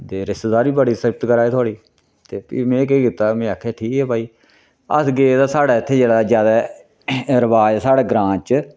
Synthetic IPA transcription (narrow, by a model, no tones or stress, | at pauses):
d̪eːɾɪst̪ːd̪aːɾiːbəɽiːseb̚t̪kəɾaːeːt̪ʰoaːɽiː | t̪eːpḭːmɛ̃ːk̬ekiːt̪aːmɛ̃ːaːkʰaːʈʰiːkɛːpaːiː | ə̰sɡeːd̪aːsaːɽaːɪt̪ʰːeːd͡ʒeːɽaːzjaːd̪aː | ɾəʋaːd͡ʒsaːɽaːɡɾãːt͡ʃ